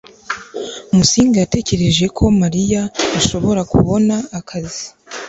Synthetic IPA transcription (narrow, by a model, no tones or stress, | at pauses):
umusiːŋɡajate̞ce̞ɾe̞ʒe̞kʰo̞maɾijaːʃo̞βo̞ɾakṵβo̞naːkʰazi